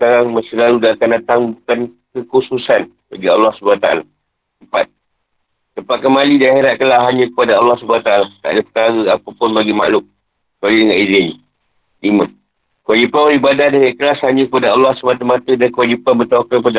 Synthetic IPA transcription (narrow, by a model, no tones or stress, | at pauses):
ə̥kaɾaŋməsilaludaakandat̪aŋməbukankəkususan | baɡialːɑhsəbuat̪a̰a̰la | t̪əmpat̪̚ː | əmpat̪̚kəmalidaheɾat̪̚kəlaɦaɲə̃kəpadaalːɑhsubaat̪aalaht̪aʔadəpə̥kaɾəapapʊnbaɡima̰ʔlʊk̚ | kalidəŋanizɪni | lima | kəwad͡ʒipanbəlibadahdəŋãnkəlashaɲə̃kəpadaalːɑhsəmat̪əmat̪ədankəwad͡ʒipanbət̪aakaəpada